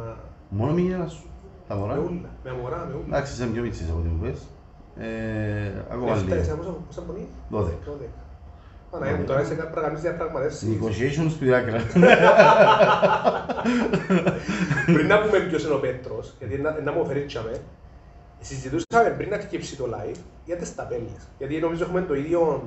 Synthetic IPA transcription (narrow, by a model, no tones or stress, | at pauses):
monomiɲɐnɐsu̥t̪ɐmoɾɐmeulːɐmemoɾɐmeud̪ɐksisemɡomit͡sːisɐpot̪imṵpes | e | ɐ̰koɐlːɐsɐposɐpːosɐmboniðoðekːɐoðekɐ̥ | pɐnɐemut̪oɾɐisekɐpːɾɐkɐnizðiɐpɾɐɣmɐt̪efsikosieʃonspiɾɐkɾɐ | pɾinːɐpumembjoseno̞pet̪ɾosʝɐt̪inːɐʔenːɐmofeɾit͡ʃːɐme | sizːit̪usɐmempɾinːɐkcipsit̪olɐ̰jf | ɐt̪est̪ɐpelːesʝɐt̪ino̞mizoexumend̪oiðjon